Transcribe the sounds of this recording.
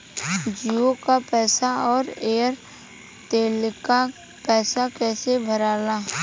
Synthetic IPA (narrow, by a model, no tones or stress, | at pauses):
d͡ʒiokapɛːsaɔːɾeːəɾ | t̪eːlka | pɛːsakɛːsebʱəɾaːlaː